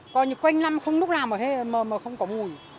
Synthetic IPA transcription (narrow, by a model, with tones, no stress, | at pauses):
kɔ˧˦ɲɨ˨˦kwa˧jŋna˧mxə˧wŋ͡mlu˦˥laː˨˩mʔəː˨˩he˧˦˨məː˨˩məː˨˩xə˧wŋ͡mkɔ˨˦mu˨˩əj